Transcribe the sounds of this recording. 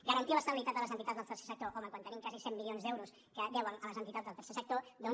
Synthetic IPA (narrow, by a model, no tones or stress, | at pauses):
ɡəɾənt̪iləst̪əβilit̪at̪ələzənt̪it̪azðəlˠt̪ərse̥sək̚t̪oʔoməŋkwanənimkazisɛmːiljonzðɛwɾus | kəd̪ɛwənələzənt̪it̪ad͡zðəlˠt̪əɾsesək̚t̪od̪o